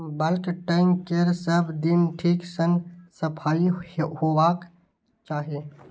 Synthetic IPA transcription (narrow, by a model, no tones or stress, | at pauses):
bəlkʈaːɪmkeɾsəbd̪ɪnʈʰiːksənsəpʰaːihoːwak | t͡ʃaːɦie